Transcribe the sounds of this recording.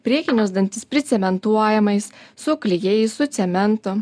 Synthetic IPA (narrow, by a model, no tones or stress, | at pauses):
pʲɾʲiɛkʲɪnʲʊzd̪ɐnʲt̪ʲɪspʲɾʲɪt̪sʲɛmʲɛnt̪uɔjɛmɐɪssʊklʲɪjejɛɪsʊt̪sʲɛmʲɛnt̪ʊ